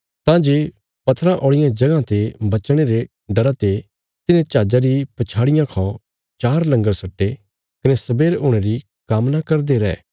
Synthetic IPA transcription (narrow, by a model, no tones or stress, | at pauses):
t̪ãd͡ʒeː | pɐt̪ʰɾãʔoːɽɪjãd͡ʒɐɡãt̪ebɐt͡ʃɽ̃eɾe | ɖɐɾat̪e | t̪ɪnẽt͡ʃaːd͡ʒaɾipɐt͡ʃʰaːɽɪjãkʰɔ̃ | t͡ʃaːɾlɐ̃ŋɡəɾsɐʈːe | kɐnɛsɐbeːɾoːɽ̃eɾi | kamnakɐɾd̪eɾɛː